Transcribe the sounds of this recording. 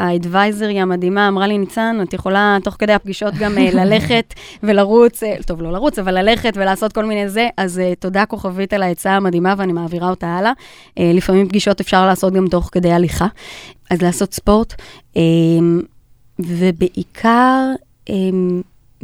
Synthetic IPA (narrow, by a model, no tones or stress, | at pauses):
aedvajzeʁiamadimaːmʁalinit͡sanatjeχo̞lato̞χke̞d̪eap̚ɡiʃo̞t̚ɡamlale̞χe̞t | ve̞laʁut͡seto̞vlo̞laʁut͡savalːale̞χe̞tvelaːso̞t̚ko̞lminejze̞ʔazeto̞dako̞χavitalaet͡saːmadimaveanimaːviʁao̞taala | elifamimpɡiʃo̞tefʃaʁlaːso̞t̚ɡamto̞χke̞d̪ejaliχaʔazlaːso̞tspo̞ʁtem | ve̞beʔikʰaʁ | ʔem